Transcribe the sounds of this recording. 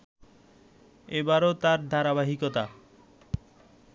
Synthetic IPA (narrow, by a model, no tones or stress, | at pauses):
ebaɾot̪aɾd̪ʱaɾaβaɦikot̪a